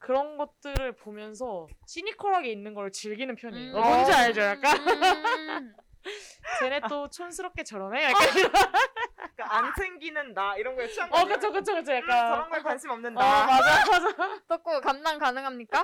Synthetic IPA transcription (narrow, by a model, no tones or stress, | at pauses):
kɯɾʌnɡʌt̚t͈ɯɾɯɭpomjʌns̬ʰʌɕʰiɲikʰoɾɦaɡe̞inːɯnɡʌɾɯɭt͡ɕiɭɡinɯnpʰjʌɲiomond͡ʑeaɭd͡ʑojak͈a | t͡ɕenet͈ot͡ɕʰonsʰɯɾʌp̚k͈e̞t͡ɕʌɾʌneɭk͈ad͡ʑiɾ | kaansʰeŋɡinɯndaiɾʌnɡʌʌkɯt͡ɕʰokɯt͡ɕʰokɯt͡ɕʰojak͈asʰʌʌmɡʌɭkwansʰimʌmnɯndaʌmad͡ʑaad͡ʑatok͈okamdaŋkanɯŋɦamɲik͈a